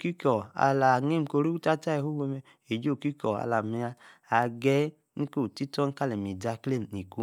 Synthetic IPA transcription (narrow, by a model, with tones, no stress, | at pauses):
ki˦kɔ˨a̰˧la˨ŋe˦˨m̩˨ko˧ɾi˦u˦ta˦ta˦e˨hu˦we˧mɛ˧ | e˨d͡ʒo˦˨ki˦kɔ˨a̰˧la˨mi˧a˧a˨ɡɛ˦ | ni˦ko˦˨ti˦tɔ˦n̩˦ka˦lɛ˨mi˨da˧kle˦˨n˨ni˨ku˦